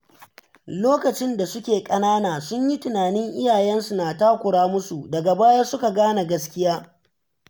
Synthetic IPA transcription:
loː˦kɐ˨t͡ʃɪ˦nda˨sʊ˦kʲeː˨kʼɐ˦naː˦naː˨sʊ˦ɲji˦tʊ˨naː˨nɪ˦ŋʔɪ˦jaː˨jɛ˦nsu˨na˨taː˦kʷʊ˨ɽaː˦mʊ˦su˨dɐ˨ɡa˨baː˦ja˦sʊ˦ka˨ɡaː˦na˨ɡɐ˦skʲɪ˦jaː˦

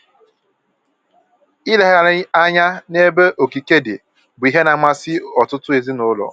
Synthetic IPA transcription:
i˦le˨ɦa˨ɾa˦ɲa˦ne˦be˦ʔo˨ki˨ke˦dḛ˨ | bʊ˨i˦ɦe˦na˨ŋ͡ma˦sɪ˦ɔ˨tʊ˦tʊ˦e˨zi˦nʊ˦lɔ̰˨

